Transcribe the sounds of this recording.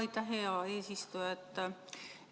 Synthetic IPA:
it̪ɑɦeɑeːsist̪ujet̪ː

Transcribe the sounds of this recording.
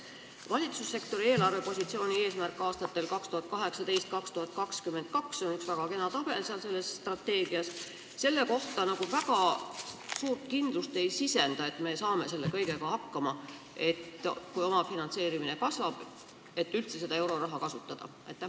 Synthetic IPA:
vɑlʲit̪susːe̞kt̪o̞ɾie̞ːlɑrve̞po̞sʲit̪sioːnʲie̞ːsmærkˑːɑːst̪ɑt̪ːe̞lkɑkst̪uhɑt̪̚kɑɦe̞ksɑt̪e̞jst̪̚kɑkst̪uhɑt̪̚ˑkɑkskymːe̞nt̪̚kɑkso̞nyksvæɡ̥ɑke̞nɑt̪ɑb̥e̞lseɑlse̞lːe̞sːt̪rɑt̪ːe̞ːɡiɑs | se̞lːeko̞ht̪ɑnɑɡ̥uvæɡ̥ɑ | suːrt̪̚kind̪̥lust̪e̞jsise̞nd̪̥ɑe̞t̪me̞sɑːme̞se̞lːe̞kɤjɡe̞kɑhɑkːɑmɑ | e̞t̪kujo̞mɑfinɑnt̪se̞ːɾimine̞kɑsvɑb̥ | e̞t̪ːylt̪se̞se̞d̪ɑe̞wɾo̞ɾrɑɦɑkɑsut̪ːˑɑd̪̥ɑ̰ | ɑ̰jt̪ːæ

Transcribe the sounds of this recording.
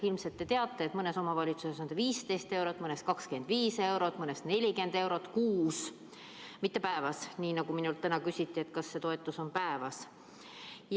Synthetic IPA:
ilmset̪ːe̞t̪eɑt̪ːˑe̞ːt̪mɤne̞so̞mɑvɑlʲit̪suse̞sond̪viːst̪ejst̪e̞wɾot̪ːˑmɤnest̪kɑkskend̪viːse̞wɾo̞t̪ːˑmɤnest̪ne̞lʲike̞nd̪e̞wɾo̞t̪ːˑkuːs | mit̪ːˑe̞pæevɑsniːnɑɡuminult̪ːænɑkysʲit̪ːie̞t̪kɑsːe̞t̪o̞e̞t̪ːˑuso̞npæevɑs | j

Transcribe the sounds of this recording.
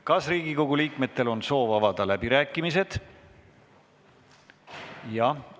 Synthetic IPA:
kɑsriːɡ̥iko̞ɡuliːkme̞t̪ːˑe̞lo̞nso̞ːvɑvɑd̪ɑlæb̥iɾæːkːˑimis̬e̞d̪̥ | jɑ

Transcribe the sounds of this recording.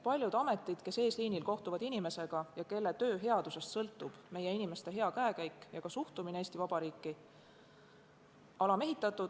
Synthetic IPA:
pɑlʲjud̪ɑme̞t̪ːˑid̪̥ke̞se̞ːsliːnilko̞ht̪uvɑd̪inime̞se̞ɡ̥ɑjɑke̞lːe̞t̪ø̞ːɦe̞ɑd̪use̞st̪sɤ̞lt̪ˑːub̥me̞jːe̞inime̞st̪e̞ɦe̞ɑkæekæjkːˑjɑkɑsuht̪umineeːst̪ivɑb̥ɑɾiːkːˑi | ɑlɑme̞ɦit̪ːˑɑt̪ːˑud̪̥

